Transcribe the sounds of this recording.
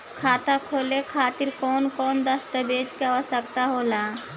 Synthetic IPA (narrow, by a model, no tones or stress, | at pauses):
kʰaːt̪akʰoːlekʰaːt̪iɾkɔːnkɔːnd̪əst̪əbeːt͡ʃkaəsəkt̪aɦoːlaː